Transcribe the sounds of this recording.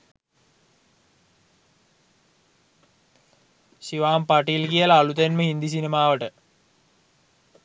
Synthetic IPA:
ɕiʋaːmpaʈilkijəlaːɭut̪enməɦind̪is̬inemaːʋəʈə

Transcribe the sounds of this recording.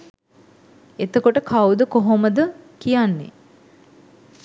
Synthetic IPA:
et̪əkoʈəkʰawd̪əkoɦoməd̪əkijanːḛ

